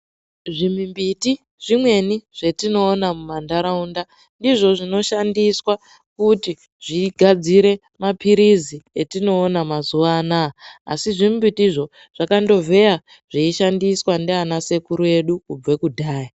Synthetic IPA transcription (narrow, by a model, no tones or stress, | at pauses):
ʐimimbiti | ʐ̥imwe̞niʐ̥e̞tino̞ːnamumandaɾaunda | ndiʐo̞ʐino̞ʃandiswa | kuti | ʐ̥iɡʱad͡ziɾe̞ | mapʰiɾizietino̞ːnamazuʋaːna̰ːsiʐimimbitiʐo̞ | ʐ̥akando̞vʱe̞ja | ʐ̥iiʃandiswandeanase̞kuɾue̞ɗukub͡vwekudʱaːja